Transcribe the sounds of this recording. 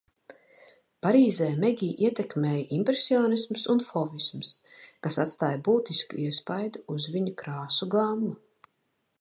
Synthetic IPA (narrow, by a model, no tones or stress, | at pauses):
paɾiːzɛːmɛɡʲiːʔiɛt̪ɛkmeːjʔimpɾesioːnismsunfɔvismskasat̪st̪aːjbuːt̪iskṵiɛspajd̪uːzviɲukɾaːsuɡˠamːa